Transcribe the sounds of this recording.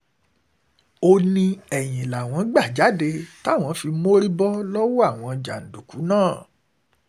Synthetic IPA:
o˧nĩ˧ɛ˨j̃ĩ˨la˨w̃ɔ̃˨˦ɡ͡ba˦˨d͡ʒa˨˦de˧ta˦˨w̃ɔ̃˧fi˧mo˦ɾi˦bɔ˦lɔ˦wɔ˦a˦˨w̃ɔ̃˧d͡ʒa˨n̩˨du˨ku˨˦nãː˦˨

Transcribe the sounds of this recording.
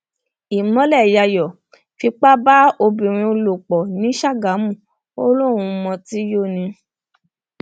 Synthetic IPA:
i˨mɔ̃˨˦lɛ˦˨ja˧jɔ˨ | fi˧k͡pa˦ba˦o˧bĩ˨ɾ̃ĩ˧o˧lo˨k͡pɔ˨nĩ˨˦ʃa˦˨ɡa˨˦mũ˦˨ | o˦lo˦˨ɾ̃ũ˧mɔ̃˧ti˨˦jo˦˨nĩ˧

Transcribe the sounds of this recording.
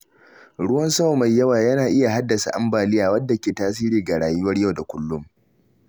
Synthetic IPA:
ɽʊ˦wɐ˦nsɐ˦wma˨jːɐ˦waː˨jɐ˦naː˨ʔɪ˦ja˨ɦa˦dːɐ˨sa̰˨ʔa̰˦mbaː˨lɪ˦jaː˨wɐ˦dːa˨kʲeː˨taː˦s̬iː˦ɾiː˨ɡa˨ɽaː˨jʊ˦wɐ˦rja˦˨wda˨kʷʊ˦lːʊ˦m

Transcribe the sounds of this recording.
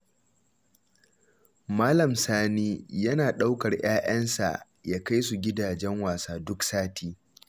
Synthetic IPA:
maː˦lɐ˨msaː˦niː˦jɐ˦naː˨ɗa˦wkɐ˨rj̰aː˦ʔɐ˦nsa̰˨ʔ | jaː˦ka˦js̬u˨ɡʲɪ˦daː˨d͡ʒɛ˦ŋwaː˨saː˦dʊ˦ksaː˦tiː˦

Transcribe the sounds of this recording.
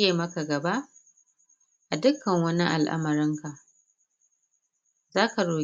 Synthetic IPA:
eː˨mɐ˦ka˨ɡɐ˨ba˦ʔ | ʔa˨dʊ˦kːɐ˨ŋwɐ˦ni˦ʔa̰˨lʔa̰˦mɐ˨ɾɪ˦ŋka˨ʔ | zaː˦ka˨ɽoː˨

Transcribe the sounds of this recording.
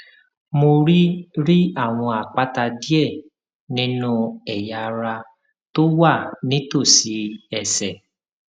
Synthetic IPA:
mo˧ɾi˦ɾi˦a˦˨w̃ɔ̃˧a˨k͡pa˦ta˧di˦ɛ˦˨ | nĩ˦nũ˦ɛ˨ja˨ɾa˧ | to˦wa˦˨nĩ˨˦to˦˨si˧˦ɛ˦˨sɛ˨

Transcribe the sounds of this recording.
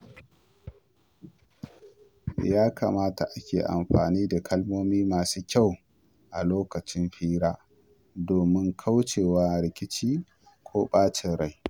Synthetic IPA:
jaː˦kʰa˨maː˦ta˨ʔa˦kʲḛː˨ʔa̰˨mɸaː˨niː˦da˨kʰɐ˦lmoː˦miː˦maː˨suː˦kʲa˦˨w | ʔa˨loː˦kɐ˨t͡ʃɪ˦mɸiː˦ɾaː˦ | doː˨mɪ˦ŋkʰa˦wt͡ʃeː˨waː˦ɾɪ˨˦kʲɪ˦t͡ʃiː˦ | kʰʷoː˦ɓaː˦t͡ʃɪ˨ɾa˦j

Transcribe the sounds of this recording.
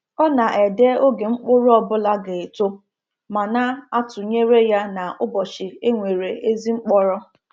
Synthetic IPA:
ɔ˦na˨ʔe˨de˦o˦ɡe˨ŋ͡m̩˦k͡pʊ˦ɾʊ˦ɔ˦bʊ˦la˦ɡe˨e˨to˦ | ma˨na˦a˦tʊ˨ɲe˦ɾe˦ja˦na˨ʔʊ˦bɔ˨t͡ʃɪ˨e˦ŋʷe˨ɾe˨ʔe˦zi˦ŋ͡m̩˦k͡pɔ˦ɾɔ˦

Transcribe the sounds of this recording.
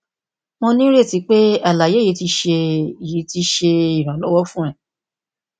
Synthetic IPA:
mõ˧nĩ˦ɾe˦˨ti˨˦k͡pe˦a˦˨la˨je˨˦ji˨˦ti˧˦ʃe˧i˨ji˨˦ti˧˦ʃe˧i˨ɾa˨lɔ˨˦wɔ˦fũ˦ɾ̃ɛ̃˨

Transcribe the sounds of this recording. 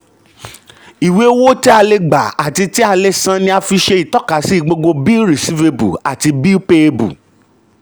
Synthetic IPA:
i˨we˨˦wo˦ti˦a˧le˧ɡ͡ba˨a˨ti˧ti˦a˧le˧sã˦nĩ˧a˧fi˧ʃe˧i˨tɔ˦ka˨˦si˦˧˨ɡ͡bo˧ɡ͡bo˧bi˦ɾi˨si˦ve˧bṵ˨a˨ti˧bi˦pe˧bṵ˨

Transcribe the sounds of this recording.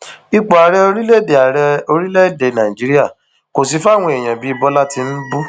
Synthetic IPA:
i˧k͡pɔ˨a˨ɾɛ˧o˧ɾi˦le˦˨de˨a˨ɾɛ˧o˧ɾi˦le˦˨de˨nã˨i˨d͡ʒi˨˦ɾi˦a˦˨ | ko˨si˧fa˦˨w̃ɔ̃˧e˨j̃ã˨bi˨˦i˧bɔ˦la˦ti˧n̩˦bu˦

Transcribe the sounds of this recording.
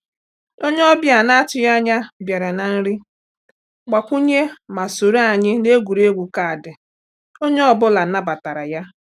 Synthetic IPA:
o˦ɲe˦ɔ˦bja˨na˦t͡ʃɪ˨ja˦ɲa˦bja˨ɾa˨na˨n̩˦ɾɪ˦ | ɡ͡ba˨kʷu˦ɲe˦ma˨so˨ɾa˨ɲɪ˦ne˦ɡʷu˨ɾe˦ɡʷu˨ka˨a˨dɪ˨ | o˦ɲe˦ɔ˦bʊ˦la˨˦na˦ba˨ta˨ɾa˨ja˦

